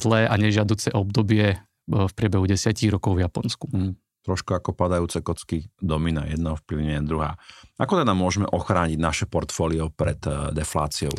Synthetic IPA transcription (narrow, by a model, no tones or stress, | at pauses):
zlɛːʔaɲɛʒɪad̪uːt͡sɛʔɔbd̪ɔbɪɛ | fpɾʲɪɛbɛɦuɟɛsɪaciːɣɾɔkɔʊvjapɔnsku | t̪ɾɔʃkuakɔpad̪ajuːt͡sɛkɔt͡skid̪ɔmina̰jɛd̪naɔfpliʊɲɛɛd̪ɾuɦa̰ːakɔt̪anamːʊɔʒɛmɛʔɔxɾaːɲiɟnaʃɛpɔɾt̪fɔːliɔpɾɛt̪d̪ɛflaːt͡siɔʊ